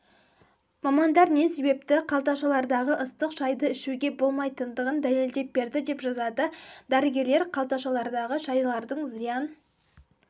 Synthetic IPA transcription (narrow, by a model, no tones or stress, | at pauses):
mɑmɑnd̪ɑɾne̞se̞be̞p̚t̪ɪqʰɑlˠt̪ɑʃɑlˠɑɾd̪ɑʁəʔəst̪əqʒɑjd̪əɪʃuɡʲe̞bo̞lˠmɑjt̪ənd̪əʁənd̪æle̞ld̪e̞p̚be̞ɾd̪ɪd̪e̞pʒɑzɑd̪əd̪æɾəɡʲe̞ɾle̞ɾqʰɑlˠt̪ɑʃɑlˠɑɾd̪ɑʁəʒɑjlˠɑɾd̪əɴzijɑn